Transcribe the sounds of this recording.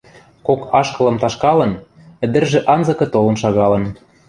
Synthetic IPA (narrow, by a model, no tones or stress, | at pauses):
kokɑʃkɤ̆lɤ̆mt̪ɑʃkɑlɤ̆n | ɘ̆d̪ɘ̆rʒĕʔɑnzɤ̆kɤ̆t̪olɤ̆nʃɑɣɑlɤ̆n